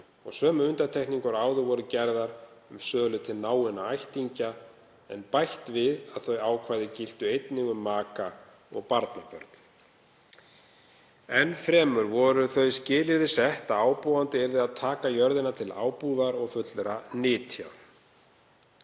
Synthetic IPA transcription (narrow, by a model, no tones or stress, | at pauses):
ɔ̰ɣsœːmʏʏnt̪aɾt̪ʰɛjhkniŋkʏɾaːwðʏvɔɾʏcɛɾðaɾ̥ʏmsœːɣlʏt̪ʰɪlnaːwɪnaajht̪iɲca | ɛnpajht̪vɪðaðθœɥaːwkʰvajðɪcɪl̥t̪ʏejt̪nɪɣʏmːaːka | ɔɣpaɾt̪napœ̰ɾt̪n̥ | ɛnfɾɛːmʏɾvɔɾʏθœɥscɪːlɪɾɪsɛht̪aaːwpɔwant̪ɪɛɾðɪaðt̪ʰaːkajœɾðɪnat̪ʰɪla̰ːwpuðaɾɔɣfʏt̪lɾanɪːt̪ʰjaw